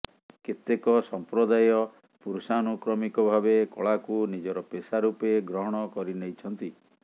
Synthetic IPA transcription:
ket̪ekɔsɔmpɾɔd̪ajɔ | puɾsanukɾɔmikɔbʱabekɔ̰ɭakunid͡ʒɔɾɔpesaɾupeɡɾɔɦɔɽ̃ɔkɔɾinejt͡ʃʰɔnt̪i

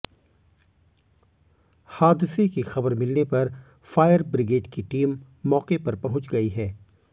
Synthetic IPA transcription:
haːd̪ɪsekixɐbəɾmɪlnepɐɾ | faːjəɾbɾɪɡeːɖkiʈiːmː | ɔːqepɐɾpɐɦʊ̃t͡ʃɡɐiɦɛː

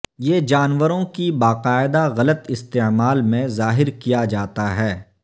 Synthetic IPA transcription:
jeːd͡ʒaːnʋəɾõkibaːqaːɪd̪aɣɐlət̪ɪst̪eːmaːlmẽzaːɦɪɾkijad͡ʒaːt̪aɦɛː

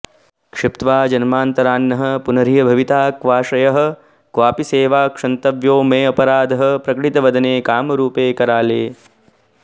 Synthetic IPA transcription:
kʂipt̪ʋaːd͡ʒɐnmaːnt̪ɐɾaːnːɐɦɐ̆punɐɾijɐbʱɐʋit̪aːkʋaːʂɐjɐɦɐ̆ | kʋaːpiseːʋaːkʂɐnt̪ɐʋjoːmeːɐpɐɾaːd̪ʱɐɦɐ̆pɾɐkɐɽit̪ɐʋɐd̪ʱɐneːkaːmɐɾuːpeːkɐɾaːleː

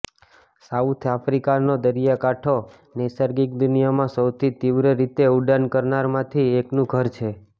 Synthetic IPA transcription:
saut̪ʰafɾikanod̪əɾijakaʈʰo | nesəɾɡik̚d̪unijamãsəwt̪ʰit̪iʋɾəɾit̪euɖankəɾnaɾmãt̪ʰieknũɡʱəɾt͡ʃʰe

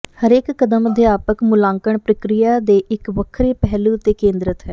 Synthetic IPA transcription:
həɾeːkːəd̪əməd̪jaːpəkmʊlãːŋkəɳpɾəkɾɪjaːd̪eːʔɪkʋəkʰɾeːpɛɦluːt̪eːkẽːnd̪ɾət̪ɦɛː

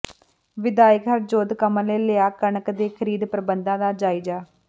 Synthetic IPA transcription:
ʋɪd̪aːjəkɦəɾd͡ʒoːd̪kəmənleːlɪaːkəɳəkd̪eːkʰəɾiːd̪pɾəbənd̪ãːd̪aːd͡ʒaːiːd͡ʒaː

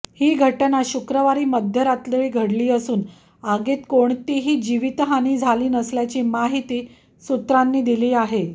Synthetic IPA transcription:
hiːɡʱəʈənaɕukɾəʋaɾiːməd̪ʱjəɾat̪ləʋiːɡʱəɽliːəsuːn | aɡet̪koɳt̪iɦiːd͡ʑiʋit̪ɦañiːd͡zʱaliːnəsljat͡ɕiːmaɦit̪iː | sut̪ɾanːiːd̪iliːaɦe

